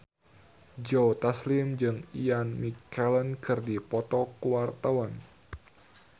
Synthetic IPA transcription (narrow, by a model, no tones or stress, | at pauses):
d͡ʒot̪aslɪmd͡ʒɨŋijanmikːɛlənkɨrdipɔt̪ɔkuwart̪awan